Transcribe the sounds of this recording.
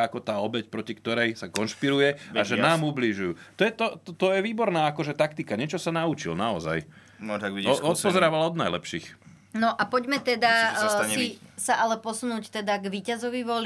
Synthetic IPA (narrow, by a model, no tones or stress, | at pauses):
akɔt̪aːɔbɛcpɾɔcikt̪ɔɾɛjsakɔnʃpiɾujɛaʒɛnaːmubliʒujuːt̪ɔjɛt̪ɔt̪ɔt̪ɔjɛʋiːbɔɾnaːakɔʒɛt̪akt̪ikaɲɪɛt͡ʃɔsanaut͡ʃḭlnaɔza̰j | nɔaɡʋiɔɔt̪pɔzɛɾaːʋalɔd̪najlɛpʃiːx | nɔʔapɔɟmɛt̪ɛd̪asisaʔalɛpɔsunuːct̪ɛd̪aɡʋiːcazɔʋiʋɔl